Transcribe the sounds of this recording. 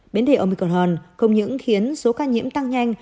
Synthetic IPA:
ɓe˨˦nɗe˨˩ʔə˧˩mi˨˩kɔ˧˩nhəː˨˧˩nxə˧wŋ͡mɲɨ̰˧˥ŋxi˨˦ənso˨˦kaː˧nɲḭ˧˥əmt̪a˧ŋɲa˧jŋ̟

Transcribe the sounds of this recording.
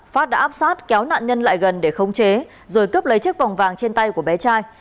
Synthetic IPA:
faː˦˥t̚ɗa̰ː˧˥ʔaː˦˥p̚saː˦˥t̚kɛ˨˦wna̰ː˧˨nɲə˧nla̰ː˧˨jɣə˨˩nɗe˧˩xə˧wŋ͡mt͡ɕe˨˦ | zo˨˩jkə˦˥p̚lə˨˦jt͡ɕɨ˦˥k̚va˨˩wŋ͡mvaː˨˩ŋt͡ɕe˧nt̪a˧jku˧˩əɓɛ˨˦t͡ɕaː˧j

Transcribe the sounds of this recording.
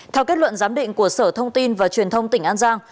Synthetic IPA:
t̪ʰɛ˧wke˦˥t̚lwə̰˧˨nzaː˨˦mɗḭ̈˧˨ŋ̟ku˧˩əsəː˧˩t̪ʰə˧wŋ͡mt̪i˧nvaː˨˩t͡ɕwi˨˩ənt̪ʰə˧wŋ͡mt̪ï˧˩ŋ̟ʔaː˧nzaː˧ŋ

